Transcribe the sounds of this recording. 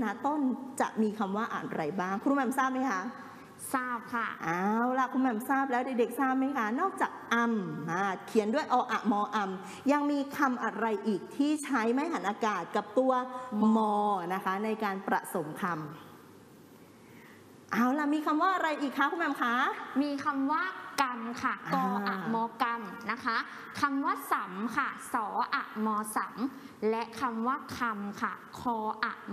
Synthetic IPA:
naː˦˥t̪o˥˩nt͡ɕa̰˨˩ʔmiː˧kʰa˧mwaː˥˩ʔa̰˨˩ɾa˧jbaː˥˩ŋkʰu˧u˧mɛː˧˩msaː˥˩p̚ma˦˥jkʰa˦˥ | saː˥˩p̚kʰa˥˩ʔaː˧˥wla˨˩kʰu˧mɛː˧msaː˥˩p̬̚lɛː˦˥wda˨˩de˨˩k̚saː˥˩p̚ma˦˥jkʰa˦˥nɔː˥˩k̚t͡ɕaː˨˩k̚ʔa˧ma˧˩kʰi˨˩˦əndu˥˩əjʔɔː˧ʔa˨˩mɔː˧ʔa˧m | ja˧ŋmiː˧kʰa˧mʔa˧ɾa˧jʔiː˨˩k̚t̪ʰiː˥˩t͡ɕʰa˦˥jma˦˥jɦa˨˩˦nʔaː˧kaː˨˩t̪̚ka˨˩p̚t̪u˧ɐmɔː˧na˦˥kʰa˦˥na˧jkaː˧npɾa˨˩so˩˦mkʰa˧m | ʔaː˧˩wla˨˩miː˧kʰa˧mwaː˥˩ʔa˧ɾa˧jʔiː˨˩kʰːa˦˥pʰu˧˥m˦naː˧mkʰa˦˥miː˧kʰa˧mwaː˥˩ka˧mkʰa˥˩ɔː˧ʔa˨˩mɔː˧ka˧mna˦˥kʰa˦˥ | kʰa˧mwaː˥˩sa˩˦mkʰa˥˩sɔː˩˦ʔa̰˨˩ʔmɔː˧sa˨˩˦m | lɛ˦˥ʔkʰa˧mwaː˥˩kʰa˧mkʰa˥˩kʰɔː˧ʔa̰˨˩

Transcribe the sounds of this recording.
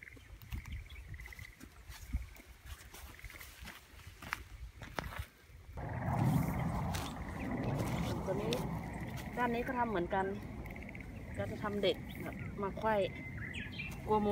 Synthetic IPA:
o˧˩nt̪u˧˨niː˦˥˨ | kaː˧˩˨nːiː˦˥kɔ˧˥˩t̪ʰa˧mːɯ˩˦ənka˧n | kaː˧˩t͡ɕa˧˩t̪ʰa˧mde˨˩k̚ba˨˩p̚maː˧kʰɔ˧˥˩j | ku˧ɐmo˧

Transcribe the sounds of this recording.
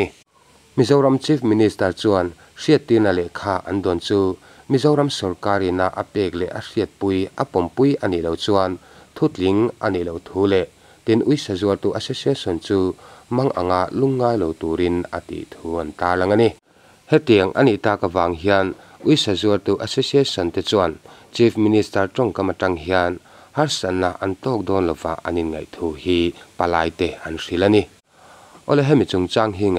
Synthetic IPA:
mi˦zɐ˦wɾɐ˧mt͡si˦fmi˧nist̪ɐ˧rt͡sua˧n | ʂi˨ət̪ːi˧na˨lɛ˨kʰaː˧ʔɐ̰˨nd̪ɔ˨nt͡suː˦ | mi˦zɐ˦wɾɐ˦msɔ˨rkaː˧ɾi˨na˧ʔa̰˧pɛː˧k̚lɛ˨ʔɐ˨ʂi˨ət̪̚pu˦jʔɐpɔ˨mpu˦jʔa˧ni˨ʔlɔ˨wt͡su˦a˧nt̪ʰu˦t͡ɬli˨˦ŋʔa˧ni˨ʔlɔ˨wt̪ʰuː˦lɛ˧˨ʔ | t̪i˦nʔu˦jsa˨zu˧ə˧rt̪u˧ʔa˧sɛ˦sia˦sɔ˨nt͡suː˦mɐ˦ŋʔa̰˨ŋa˧ʔlu˦ŋːaː˧jlɔ˨wt̪u˨ɾi˧na̰˨t̪ḭ˨ʔt̪ʰuː˦ɐ˨nt̪aː˧lɐ˧ŋa˧ni˧ | hɛ˦t̪i˨ɐŋʔa̰˨ni˨ʔt̪a˧ka˧vaː˨ŋɦia˧n | ʔu˦jsa˨zu˧ə˧rt̪u˧ʔasesie˦sɔ˨nt̪ɛ˧t͡sua˨nt͡ʃi˦fʰministɐ˧rʈ͡ʂɔ˦ŋka˧mɐ˧ʈɐ˧ŋɦia˧n | hɐ˦rsa˨nːa˨ʔɐ̰˨nt̪ɔː˦k̚d̪ɔː˧nlɔ˨wva̰˨a̰˨ni˨nŋɐ̰˨jt̪ʰu˧˦hi˦pɐ˨laː˧jt̪ɛ˧ɐ˨nri˧lɐni˦ | ʔɔ˦˨lɛ˦ɦɛ˦mi˨t͡su˨ŋt͡sa˧ŋɦi˦ŋ˨

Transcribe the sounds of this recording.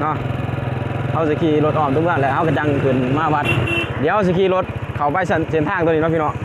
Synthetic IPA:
nɔ˧˥˨ | ha˧˩ws̬i˧˩kʰiː˧˩lo˧t̪̚ʔɔː˧˩˨mt̪u˧˦˨aː˧˨nlɛ˧˩ʔha˧˩wka˧˩t͡ɕa˧˨ŋ˧˨kʰɯ˨˩˨nmaː˧˨ba˧˦t̪̚di˨˦ha˧˩˧si˧˩kʰiː˧˨lo˧˥t̪̚kʰa˨˩wpa˧˨jsnse˧˨˦nt̪ʰaː˧˩ŋt̪o˧˨niː˧nɔ˧˥˩pi˧nɔ˧˥˨

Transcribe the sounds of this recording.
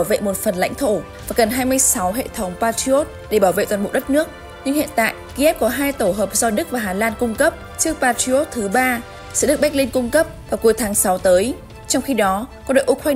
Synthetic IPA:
wvḛ˧˨mo˨˩t̚fə˨˩nla̰˧jŋ̟t̪ʰo˧˩ | vaː˨˩ɣə˨˩nɦaː˧jmɨ˧əjsa˨˦wɦḛ˧˨t̪ʰə˨˦wŋ͡mpaː˧ti˧o˦˥t̚ɗe˧˩ɓaː˧˩wvḛ˧˨t̪wa˨˩ɓ̰wɗə˦˥t̚nɨ˦˥ək̚ | ɲɨ˧ŋhḭ˧˨ənt̪a̰ː˧˨jki˧ʔɛ˦˥p̚kɔ˨˦ɦaː˧jt̪o˧˩ɦəː˨˩p̚zɔ˧ɗɨ˦˥k̚vaː˨˩ɦaː˨˩laː˧nkʊ˧ŋ͡mkə˦˥p̚ | t͡ɕɨ˦˥ək̚paː˧ti˧o˦˥t̚t̪ʰɨ˨˦ɓaː˧ | sɛ̰˧˥ɗɨ˦˥ək̚ɓa˥k̚li˧nkʊ˧ŋ͡mkə˦˥p̚vaː˨˩wku˨˩əjt̪ʰaː˨˦ŋsa˨˦wt̪əː˨˦j | t͡ɕɔ˧wŋ͡mxi˧ɗɔ˨˦kɔ˧nɗo̰˧˨ʔkwaː˧

